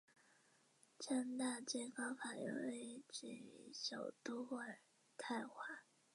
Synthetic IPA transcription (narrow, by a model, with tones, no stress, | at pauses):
t͡ɕʰɛ˥˧nt̪a˥˧t͡swe˥˩ɪkɑ˥ʊfa˨˩jo̰˨˧˩ʊe˥˩˥ɪʈ͡ʂɻ̩̰˥˩˧ɕjɑ˨˩ʊt̪u˥wə˨˩ | t̪ʰa˥˧ɪxwa˥˩